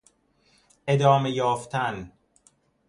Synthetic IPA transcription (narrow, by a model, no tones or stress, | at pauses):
ʔe̞d̪ɒːme̞jɒːft̪ʰæn